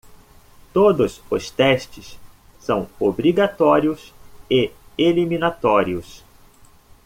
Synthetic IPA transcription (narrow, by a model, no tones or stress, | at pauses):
t̪od̪ʊsʊst̪ɛʃt͡ʃɪs | sɐ̃w̃obɾiɡat̪ɔɾiʊsɪelimĩnat̪ɔɾiʊs